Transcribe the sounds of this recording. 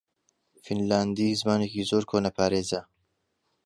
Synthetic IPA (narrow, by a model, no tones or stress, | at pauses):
finlaːnd̪iːzɨmaːnekiːzoːɾkʰoːnɐpʰaːɾeːzɐ